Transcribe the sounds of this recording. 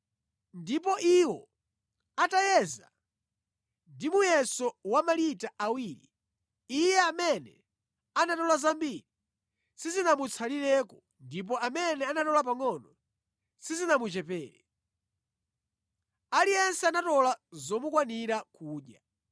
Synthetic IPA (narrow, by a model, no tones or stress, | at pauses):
ndipɔʔiwɔ | atajɛza | ndimujɛsɔwamalitaʔawiːɾḭː | jɛamɛnɛ̰ | anatɔlazambiɾi | sizinamut͡sʰaliɾɛkɔ | ndip̬ɔamɛnɛanatɔlap̬aŋɔnɔ | sizinamut͡ʃɛpɛːɾɛ | alijɛnsɛanatɔlazɔmukwaniɾakuːɗja